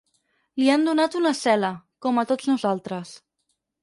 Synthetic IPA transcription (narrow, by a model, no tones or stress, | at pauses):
liand̪unat̪unəsɛləkɔmət̪od͡znuzalˠt̪ɾəs